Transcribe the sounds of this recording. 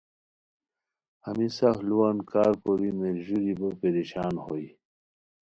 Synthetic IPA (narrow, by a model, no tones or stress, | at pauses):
ɐmisaxluwankaːɾkoɾimeɾʑuɾibəpeɾiɕaːnhoi